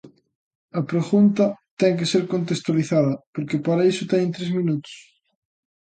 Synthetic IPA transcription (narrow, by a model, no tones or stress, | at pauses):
ɐpɾeɣunt̪ɐt̪ɛŋk̬eseɾkont̪̬est̪waliθaðɐpoɾkepaɾɐisʊt̪ɛɲnt̪ɾezmĩnut̪ʊ̥s